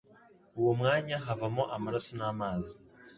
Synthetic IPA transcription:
uwomŋaːɲaɦavamoʔamaɾasonaːmaːzi

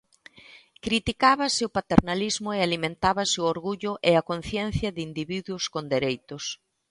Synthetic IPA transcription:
kɾit̪ikaβasɪopat̪eɾnalizmʊealimẽnt̪aβɐsɪooɾɣuʎʊʔeɐkon̟θjɛn̟θjɐðind̪iβiðwʊskond̪eɾejt̪ʊs

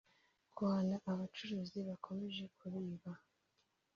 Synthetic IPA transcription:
kwaːnaʔaβat͡ʃuɾuːziβakʰo̞me̞ʒe̞kʰuɾiːβa

